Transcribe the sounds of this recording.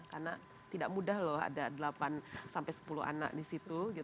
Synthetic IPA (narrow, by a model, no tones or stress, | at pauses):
karna | t̪idaʔ̚mudahlɔɦa̰dadəlapansampajsə̥pulṵɦa̰na̰k̚disit̪uɡit̪